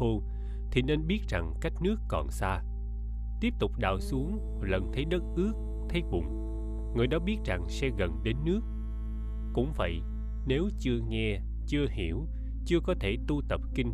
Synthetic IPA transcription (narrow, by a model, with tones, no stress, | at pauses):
u˧ | t̪ʰi˨˩ne˧nɓi˦˥ət̚z̥a˨˩ŋka˦˥jk̟̚nɨ˦˥əkːɔ̰˨˩nsaː˧ | t̪i˦˥əp̚t̪ʊ˨˩k͡p̚ɗa̰ː˧˨˩wsu˨˦əŋ | lə˨˩nt̪ʰə˨˦jɗə˦˥t̚ʔɨ˦˥ək̚ | t̪ʰə˨˦jɓʊ̰˨˩ŋ͡m | ŋɨ˨˩əjɗɔ˨˦ɓi˦˥ət̚za˨˩ŋsɛ˧ɣə˨˩nɗe˨˦nːɨ˦˥ək̚ː | ʊ̰˧˥ŋ͡mvə̰˧˨j | ne˨˦wt͡ɕɨ˧əŋɛ˧ | t͡ɕɨ˧əhi˧˩əw | t͡ɕɨ˧əkɔ˨˦t̪ʰe˧˩t̪u˧t̪ə˨˩p̚kï˧ŋ̟